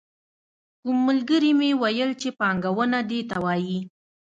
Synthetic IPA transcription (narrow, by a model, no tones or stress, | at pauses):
kumːəlɡəɾimewajəlt͡ʃepɑŋɡawənad̪et̪awɑji